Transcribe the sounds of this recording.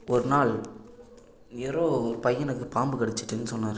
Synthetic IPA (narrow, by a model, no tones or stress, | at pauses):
ɔɾɯnaːɭ | nɛɾoːɾɯpɐjːɐnɐkːɯpaːmbɯkɐɽɛt͡ʃːɯʈːɯnːɯsɔnːaːɾɯ